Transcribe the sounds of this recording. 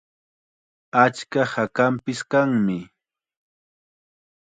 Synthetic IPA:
at͡ʃkahakampɪskaŋmɪ

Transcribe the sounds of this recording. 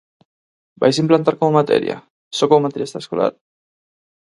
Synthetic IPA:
bajs̬implant̪aɾkomomat̪ɛ̰ɾja̰ | sokommat̪eɾjasaeskola̰ɾ

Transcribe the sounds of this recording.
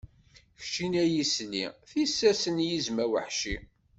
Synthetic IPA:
çʃinæjisniθisːæsənjizmæwəħʃi

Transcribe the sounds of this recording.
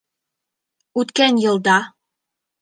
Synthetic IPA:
ʉt̪kænjɤ̆lˠd̪ɑ

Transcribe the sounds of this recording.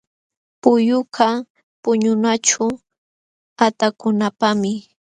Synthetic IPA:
pʊjʊqʰa | pʊɲʊnat͡ʃʊ | at̪akʊnapamɪ

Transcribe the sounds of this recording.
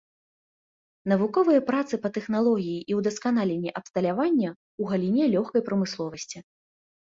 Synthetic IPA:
n̪ɐvukɔvɨjɐpɾat̪sɨpɐt̪ɛxnalˠɔɣʲijiʔiwd̪ɐskan̪alʲenʲːɛʔɐpst̪ɐlʲavanʲːɐ | uɣɐlʲinʲɛlʲɔxkɐjpɾɐmɨslˠɔvɐsʲt͡sʲi

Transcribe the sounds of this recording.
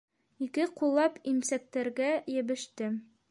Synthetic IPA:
ikɘqulˠːɑpimsæk̚t̪æɾɡæjɘ̆bɘ̆ʃt̪ɘ

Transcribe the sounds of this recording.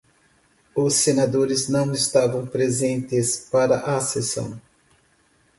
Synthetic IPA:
ʊsːenad̪oɾɪznɐ̃w̃ɪst̪avɐ̃w̃pɾezẽnt̪ɪspaɾɐʔasesɐ̰̃w̃

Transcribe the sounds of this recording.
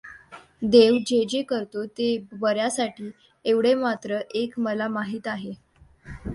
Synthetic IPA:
d̪eʋd͡ʑed͡ʑekəɾt̪ot̪ebəɾjasaʈʰiː | eʋɽemat̪ɾəʔekməlamaɦiːt̪aɦe

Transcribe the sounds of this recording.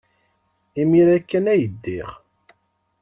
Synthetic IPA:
imiɾækːənæjəd̪ːiʁ

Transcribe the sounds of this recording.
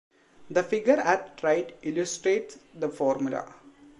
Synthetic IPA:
d̪əfɪɡəɾæʈʈɾaɪʈɪlusʈɾeːʈsd̪əfɔːɾmʊla̰

